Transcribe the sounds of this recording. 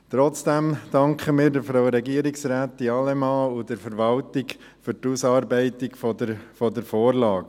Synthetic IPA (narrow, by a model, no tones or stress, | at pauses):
t̪ɾɔt͡sd̥æmd̥ɑŋkχəmiːɾdəɾfɾaʊɾɛɡiəɾɪksɾaːt̪ːiɑlɛmɑːʊdəɾfəɾʋɑltɪk | fʏɾtusɑːɾbɛɪtɪkfɔdəfɔdəɾfoːɾlɑːɡ